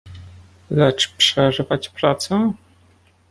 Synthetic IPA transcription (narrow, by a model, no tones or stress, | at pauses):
lɛt͡ʂpʂɛʐɘvat͡ɕpɾat̪sɛ